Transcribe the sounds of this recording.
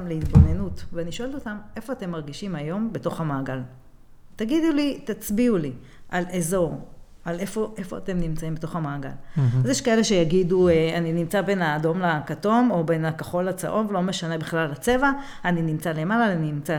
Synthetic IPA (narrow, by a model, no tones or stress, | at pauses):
mleit̪bo̞ne̞nutveaniʃo̞e̞lto̞tame̞fo̞ate̞mːaʁɡiʃimajo̞mbe̞to̞χamaːɡal | taɡid̪ulit̪at͡sbiuli | ʔale̞zo̞ʁ | ale̞fo̞ʔe̞fo̞a̰te̞mnimt͡saimbetoχamaːɡa̰lazjeʃkae̞le̞ʃe̞jaɡidueaninimt͡sabe̞naːdo̞mlakato̞mo̞be̞nakoχo̞lat͡sa̰ʔo̞nvelo̞me̞ʃane̞biχlallat͡se̞va | aninimt͡sale̞malaaninimt͡sa